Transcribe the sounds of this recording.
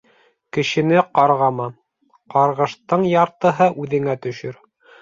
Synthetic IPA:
kɘ̆ʃɘ̆nɘqɑɾʁɑmɑ | qɑɾʁɤ̆ʃt̪ɤɴjɑɾt̪ɤ̆ɦɤʔʉðɘ̆ŋæt̪ɵ̆ʃɵɾ

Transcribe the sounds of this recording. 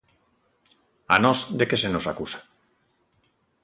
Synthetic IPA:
a̰nozd̪ekesenosakusḁ

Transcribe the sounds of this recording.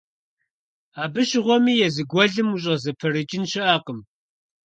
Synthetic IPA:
aːbɨɕɪʁʷɔmiːjɛzɨɡʷɔɮɨmuɕ̬ʼɐzɐpʰɐɾɨt͡ʃʼɪnʃɪʔaːqəm

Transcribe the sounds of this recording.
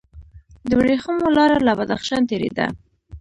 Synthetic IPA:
d̪əwɽexumolɑɾalabad̪a̰xʃɑnt̪eɾḛd̪a̰

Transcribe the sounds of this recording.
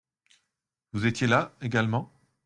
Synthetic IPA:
vuzet̪jelaeɡalmɑ̃

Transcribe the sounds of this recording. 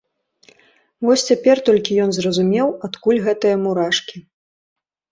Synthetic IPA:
vɔsʲt͡sʲapʲɛrt̪ɔlʲkʲijɔnzrɐzumʲɛwat̪kulʲɣɛt̪ɨjɐmuɾaʂkʲi

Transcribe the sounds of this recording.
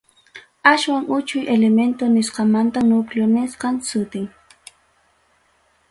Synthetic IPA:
aʃwaŋʔʊt͡ʃʊjʔelement̪onɪsqɑmant̪anʊkljonɪsqɑŋsʊt̪ɪŋ

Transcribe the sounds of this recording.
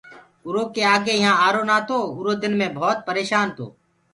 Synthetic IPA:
ʊɾoːkeːaːɡeːɪɦãːaːɾoːnaːt̪ʰoːʊɾoːd̪ɪnmẽːbʱɔːt̪̚pəɾeːʃaːnt̪ʰo̰ː

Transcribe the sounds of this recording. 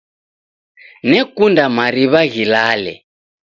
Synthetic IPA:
nɛkundamaɾiβaɣilaːlɛ̰

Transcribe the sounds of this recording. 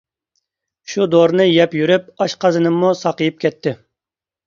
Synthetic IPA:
ʃud̪oɾnɨjɛpjyɾyp̚ɑʃqʰɑzɨnɨmːusɑqəjip̚kʲɛt̪ʰːɪ

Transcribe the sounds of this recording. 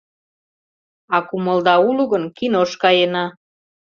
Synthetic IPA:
ɑkuməld̪ɑuluɣənkinoʃkɑjenɑ

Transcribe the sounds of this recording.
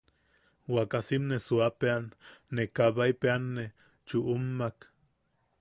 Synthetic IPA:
wakasimnesuapeanːekaβaipeanːe | t͡ʃuʔumːak

